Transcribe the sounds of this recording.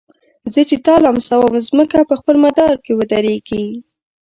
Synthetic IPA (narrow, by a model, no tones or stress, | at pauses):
zət͡ʃet̪ɑlɑmsawəmzməkapəxpəlmad̪ɑɾkewəd̪aɾeɡi